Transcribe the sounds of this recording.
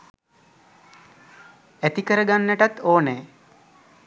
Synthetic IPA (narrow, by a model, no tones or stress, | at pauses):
æt̪ikəɾəɡanːəʈat̪oːneː